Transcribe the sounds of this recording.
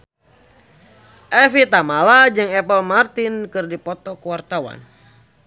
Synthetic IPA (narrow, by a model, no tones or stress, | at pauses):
ʔɛfit̪amalad͡ʒɨŋɛpəlmart̪inkɨrdipɔt̪ɔkuwart̪awa̰n